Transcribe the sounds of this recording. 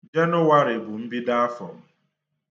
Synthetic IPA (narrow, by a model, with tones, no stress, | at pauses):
d͡ʒe˦nʊ˦wa˦ɾɪ˨bʊ˨m̩˦bi˦da˦a˦fɔ̰˨m̩˦